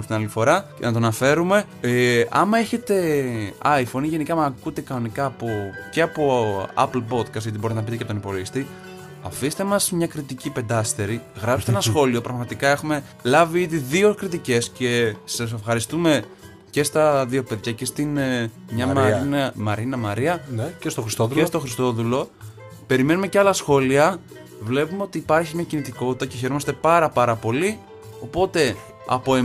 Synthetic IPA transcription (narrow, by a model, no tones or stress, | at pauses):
st̪inalt̪ifo̞ɾɐcḛnɐt̪oɐnɐfe̞ɾume̞ | eɐmɐeçe̞t̪e̞ɐifo̞niʝe̞nikɐmɐkut̪ekɐno̞nikɐːpoce̞ɐpo̞ɐ̰plpo̞t̪kɐst̪ɣot̪ibɾit̪enɐpit̪eceɐpot̪onipo̞loʝist̪i | ɐfist̪e̞mɐzmɲɐkɾit̪icipe̞nd̪ɐst̪eɾiɣɾɐpse̥t̪enɐsxo̞lio̞pɾɐɣmɐt̪ikɐe̞xume̞ | lɐviiðiðio̞kɾit̪ice̞sce̞sɐs̬e̞fxɐɾist̪ume̞ | ce̞st̪ɐðio̞pe̞ðʝɐce̞st̪inmɲɐmɾinmɐɾinɐmɐɾiɐnest̪oxɾst̪oðlest̪oxɾist̪o̞ðulo̞ | pe̞ɾime̞numeceɐlɐsxo̞liɐ | vle̞pumeo̞t̪iːpɐɾçimɲɐcinit̪iko̞t̪it̪ɐce̞çe̞ɾomɐst̪e̞pɐɾɐpɐɾɐpo̞li | o̞po̞t̪e̞ | ɐ̰poe